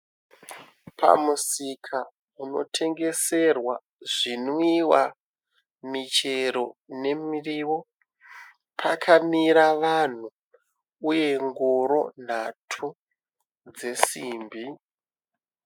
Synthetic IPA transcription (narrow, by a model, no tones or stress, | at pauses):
pʰa̰musikʰa | uno̞̰tʰe̞ŋɡe̞se̞rwa̰ | ʐinoiwa | mit͡ʃe̞ɾo̞ne̞miriːwo̞ | pʰakʰamiɾaʋan̤u | uje̞ŋɡoɾo̞̰n̤atʰu | d͡ze̞siːmbi